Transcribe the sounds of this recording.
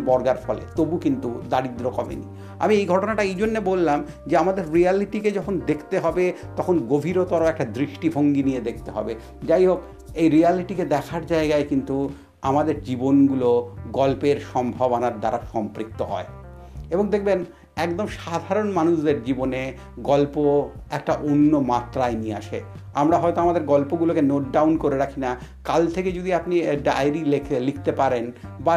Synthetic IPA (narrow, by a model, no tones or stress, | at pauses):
bɔɾɡaɾfɔlḛt̪obukint̪ud̪aɾid̪ɾokɔbḛnḭ | a̰miejɡʱɔʈonaʈaejd͡ʑonːebolːam | d͡ʑeamad̪eɾːialiʈiked͡ʑɔkʰond̪ekʰt̪eɦɔbet̪ɔkʰonɡobʱiɾot̪ɔɾoɛk̚ʈad̪ɾiʃʈibʱoŋɡinijed̪ek̚ʰt̪eɦɔ̰be | d͡ʑajɦob | ejɾialiʈiked̪ɛkʰaɾd͡ʑaeɡaekint̪u | amad̪eɾd͡ʑibonɡuloɡɔlpeɾʃɔmbʱabonaɾd̪aɾaʃɔmpɾik̚t̪oɦɔ̰e | eboŋd̪ekʰben | ɛkd̪omʃad̪ʱaɾonmanuʃd̪eɾd͡ʑibone | ɡɔlpoɛk̚ʈaʔonːomat̪ːɾaenia̰ʃeamɾaɦɔet̪oamad̪eɾɡɔlpoɡulokenoʈ̚ɖawnkoɾeɾakʰinakalt̪ʰeked͡ʑod̪iapniɖajɾilikʰt̪epaɾenba